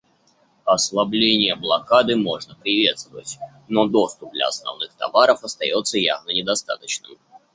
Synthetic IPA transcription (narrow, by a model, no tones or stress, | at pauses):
ɐslˠɐblʲenʲɪjəblˠɐkad̪ɨmo̞ʐnəpɾʲɪvʲe̞t̪st̪vəvə̰tʲ | no̞d̪o̞st̪ʊp̚d̪lʲɐ̰ɐ̰snɐ̰vnɨxt̪ɐ̰vaɾəfɐst̪ɐ̰jo̞t̪səja̰vnənʲɪd̪ɐst̪a̰t̪ət͡ɕnɨ̰m